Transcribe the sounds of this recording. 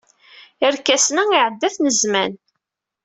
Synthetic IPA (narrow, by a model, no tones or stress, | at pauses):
əɾkːæsnæiʕəd̪ːæθnəzmæn